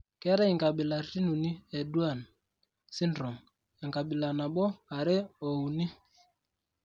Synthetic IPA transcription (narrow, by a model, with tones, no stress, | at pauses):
kɛ˦ɾɛ˦i˨ŋɡa˨ɓɪ˨la˨˦ti˦nu˨ni˦ɛ˨du˦a˦˨n | si˦ndɾɔ˨ŋ | ɛ˨ŋka˨ɓɪ˨la˨na˨ɓɔ˦a˨ɾɪ˦o˨u˨ni˦